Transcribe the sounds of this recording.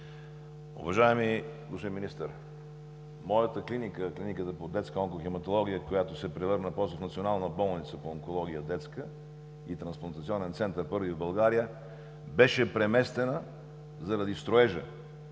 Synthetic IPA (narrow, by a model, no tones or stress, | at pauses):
ʊ̰vɐʒaɛmiluʃiminist̪əɾ | mɔjət̪əklinikəklinikət̪əpod̪ɛt̪skəɔŋkoximɐt̪olˠɔɡ̟ʲijəkojat̪osɛpɾɛvɤɾnəpɔsofnɐt̪sionalˠnəbɔlˠnit̪səpooŋkolˠɔɡ̟ʲijəd̪ɛt̪skə | it̪ɾɐ̃nsplˠɐnt̪ɐt̪siɔnɛnt̪sɛnt̪əɾpɤɾvivbɐlˠɡaɾijə | bɛʃɛpɾɛmɛst̪ɛnə | zɐɾɐd̪ist̪ɾoɛʒə̰